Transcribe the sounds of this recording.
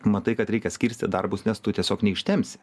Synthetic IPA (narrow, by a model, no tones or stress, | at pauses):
mɐt̪ɐɪkɐt̪ɾʲɛɪkʲɛsʲkʲiːɾʲsʲt̪ʲɪd̪ɐrbʊsnʲɛst̪ʊt̪ʲiɛsʲoːknʲɛɪʃʲt̪ʲɛmʲsʲɪ̥